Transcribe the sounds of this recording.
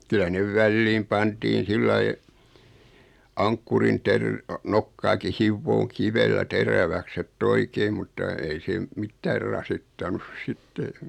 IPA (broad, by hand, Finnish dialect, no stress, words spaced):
kylæ neʋ ʋælːiːm pɑntiːn̞ silːɑi ɑŋkːurin terː nokːɑːki hiʋːoːŋ kiʋelːæ teræʋæks etː oikeim mutːɑ ei se m mitːæːr rɑsitːɑnus sitːe